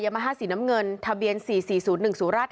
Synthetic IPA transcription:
jaː˧ma˧ɦaː˥˩siː˨˩˦na˦˥mŋɤ˧nt̪ʰa˧bi˧ənsiː˨˩siː˨˩suː˩˦nːɯ˨˩ŋsuː˨˩˦nɾaː˥˩t̪̚

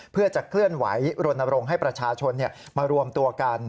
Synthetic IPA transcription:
pʰɯ˥˩ət͡ɕa˨˩kʰlɯ˥˩ənwa̰˩˦jɾo˧nːa˧ɾo˧ŋɦa˥˩jpɾa˧t͡ɕʰaː˧t͡ɕʰo˧nːi˥˩ɐ | maː˧ɾu˧əmt̪u˧ɐka˧n

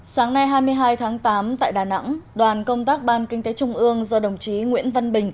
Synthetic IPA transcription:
saː˨˦ŋna˧jɦaː˧jmɨ˧əjɦaː˧jt̪ʰaː˨˦ŋt̪aː˨˦mt̪a̰ː˧˨jɗaː˨˩na̰˧˥ŋɗwaː˨˩nkə˧wŋ͡mt̪aː˦˥k̚ɓaː˧nkï˧ŋ̟t̪e˨˦t͡ɕʊ˧ŋ͡mʔɨ˧əŋzɔ˧ɗə˨˩wŋ͡mt͡ɕi˨˦ŋwḭ˧˥ənvə˧nɓï˨˩ŋ̟

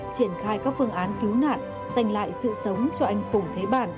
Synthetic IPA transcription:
t͡ɕi˧˩ənxaː˧jkaː˦˥k̚fɨ˧əŋʔaː˨˦nki˨˦wna̰ː˧˨n̚ | z̥a˧jŋ̟la̰ː˧˨jsɨ̰˧˨sə˨˦wŋ͡mt͡ɕɔ˧ʔa˧jŋ̟fo˧˩ŋ͡mt̪ʰe˨˦ɓaː˧˩n

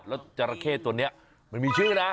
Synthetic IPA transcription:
t̚lɛ˦˥wt͡ɕa˧˩ɾa˧kʰeː˥˩t̪u˧əni˦˥ɐʔ | ma˧˩nmiː˧t͡ɕʰɯ˥˩˨ŋ˦˩na˦˥

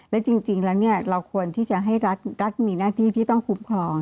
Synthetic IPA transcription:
lɛː˦˥wt͡ɕi˧ŋt͡ɕi˧ŋlɛː˦˥wni˦˥˩ɐɾa˧wkʰu˧ənt̪ʰiː˥˩t͡ɕa˨˩ɦa˥˩jɾa˦˥t̪̚ɾa˦˥t̪̚miː˧naː˥˩t̪ʰiː˥˩t̪ʰiː˥˩t̪ɔ˥˩ŋkʰu˦˥mkʰɾɔː˧ŋ

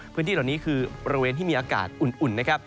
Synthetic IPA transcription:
pʰɯ˧˦˥t̪iː˥˩ɔ˨˩niː˦˥kʰɯː˧bɔ˧ɾa˧weː˧nt̪i˥˩iː˧ʔaː˧ka̰ː˨˩t̪̚ʔu˨˩nʔu˨˩nːna˦˥kʰp̚

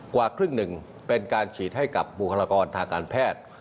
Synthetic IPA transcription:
kwaː˨˩kʰɾɯ˥˩ŋnɯ˨˩ŋ | pe˧nkaː˧nt͡ɕʰiː˨˦t̪̚ɦa˥˩jka˨˩p̚bu˨˩kʰa˧laː˧kɔː˧nt̪ʰaː˧ŋkaː˧npʰɛː˥˩t̪̚

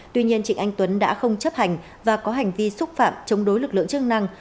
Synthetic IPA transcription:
t̪wi˧ɲi˧ənt͡ɕï˧˩ŋ̟ʔa˧jŋ̟t̪wə˨˦nɗa̰ː˧˥xə˧wŋ͡mt͡ɕə˦˥p̚ha˨˩jŋ̟ | vaː˨˩kɔ˨˦ɦa˨˩jŋ̟vi˧sʊ˦˥t̚fa̰ː˧˨mt͡ɕə˨˦wŋ͡mɗo˨˦jlɨ˨˩k̚lɨ̰˧˨əŋt͡ɕɨ˦˥k̚na˧ŋ

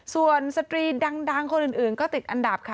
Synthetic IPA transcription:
su˨˩ənsa˧t̪ɾiː˧da˧ŋda˧ŋkʰo˧nʔɯː˨˩nʔɯː˨˩nkɔː˥˩t̪i˨˩t̪̚ʔa˧nda˨˩p̚kʰa˦˩

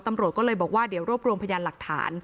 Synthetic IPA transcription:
t̪a˧mɾu˨˩t̪̚kɔ˥lɤː˧jbɔː˨˩k̚waː˥˩di˨˦wɾu˥˩p̚ɾu˧mpʰa˧jaː˧nla˨˩k̚t̪ʰa̰ː˩˦n

